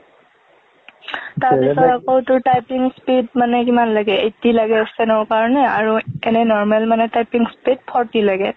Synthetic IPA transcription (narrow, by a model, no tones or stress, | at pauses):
taɹbisɔɹakɔwtʊɹtajpiŋspedmanɛkimanlaɡɛetilaɡɛɔsɛnɔɹkaɹɔnɛaɹuɛnɛnɔɹmalmanɛtajpiŋspid̚pʰɔɹtilaɡɛ